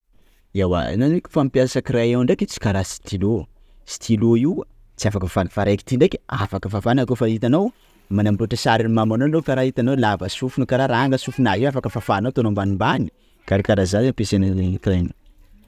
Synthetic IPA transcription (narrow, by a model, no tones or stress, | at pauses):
ewa̰nanikʲu̥fampjasakiɾajawaɳɖ͡ʐekʲit͡si̥kaɾasi̥t̪ʰilo | si̥t̪ʰiloi | t͡siafakəfanfaɾajki̥t̪iɳɖ͡ʐekʲafakəfafanakofait̪anaw | manambuʈ͡ʂəsaɾinimamanoanrefaɾait̪anawlavəsufunukaɾaɾaaŋɡəsufunaiafakəfafaːnawt̪onombanimbani̥ | kaɾikaɾazaapesenkren